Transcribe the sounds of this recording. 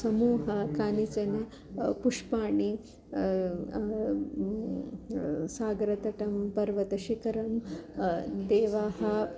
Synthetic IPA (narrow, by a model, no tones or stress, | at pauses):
sɐmuːɦɐkaːnit͡ʃɐnɐ | puʂpaːɳi | saːɡɾɐt̪ɐʈɐmpɐɾʋɐt̪ɐʃikɐɾɐm | d̪eːʋaːɦɐ